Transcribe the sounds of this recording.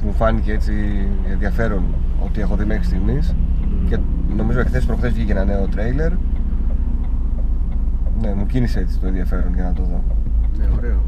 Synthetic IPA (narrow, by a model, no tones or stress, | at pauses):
mufɐnicee̞t͡si | enðiɐfe̞ɾo̞no̞t̪ie̞xo̞ðime̞xɾist̪iɣmisce̞no̞mizo̞ekθe̞spɾoxθesficeʝenɐne̞o̞t̪ɾejle̞ɾ | ne̞mucinisee̞t͡si̥t̪o̞enðiɐfe̞ɾo̞nʝɐnɐt̪o̞ðo̞neoɾeo